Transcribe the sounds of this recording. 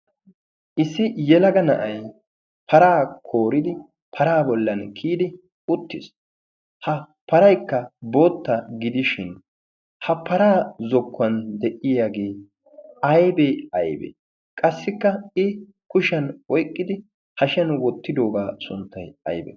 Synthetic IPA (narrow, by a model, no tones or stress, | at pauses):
ʔɪsːɪjɛlɐɡɐnɐ̰ʔɐj | pʰɐɾaːkʰo̞ːɾɪd̪ɪ | pʰɐɾaːbɔlːɐnkʰiːd̪ɪ | ʊt̪ːɪs | hɐ | pɐɾɐjkːɐbo̞ːt̪ːɐɡɪd̪ɪʃɪn | hɐpɐɾaːzɔkːɐnd̪ɛʔɪjaːɡe̞ː | ɐjbeɐjbḛ | kʼɐsːɪkːɐɪ | kʊʃɐnwɔjkʼːɪd̪ɪ | hɐʃɐnwɔt̪ːɪd̪o̞ːɡaːsʊ̰nt̪ːɐjɐ̰jbɛ̰